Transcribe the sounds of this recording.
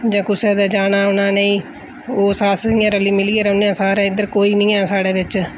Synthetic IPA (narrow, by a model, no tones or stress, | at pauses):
d͡ʒãːkʊsɛːd̪aːd͡ʒaːnaːʊnãːneĩː | oːsaːsɪjãːɾəliːmɪliːeːɾəʊneãːsaːɾãːɪd̪əɾkoːiːnĩːaːsaːɽeːʋɪt͡ʃ